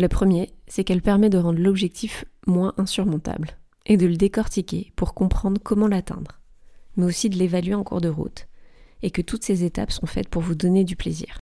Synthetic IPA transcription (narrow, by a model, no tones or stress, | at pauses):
ləpχəmjesɛkɛlpɛʁmɛd̪əʁɑ̃d̪ʁlɔbʒɛk̚t̪ʰifmwɛ̃ʔɛ̃syʁmɔ̃t̪a̰bl | ed̪ələd̪ekɔʁt̪ikʲepuʁkɔ̃pχɑ̃d̪ʁkɔmɑ̃lat̪ɛ̰̃d̪ʁ | mɛosid̪əlevalɥeɑ̃kṵʁd̪əʁṵt̪ekət̪ut̪sezet̪a̰psɔ̃fɛ̰t̪̚puʁvud̪ɔned̪yplḛzḭːʁ